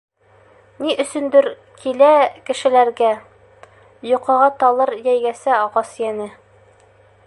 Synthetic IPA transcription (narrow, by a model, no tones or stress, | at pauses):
niʔɵ̆sɵ̆nd̪ɘɾ | kʰilækɘ̆ʃɘ̆læɾɡæ | jŏqɑʁɑt̪ɒlˠɤɾjæjɡæsæɒʁɑsjænɘ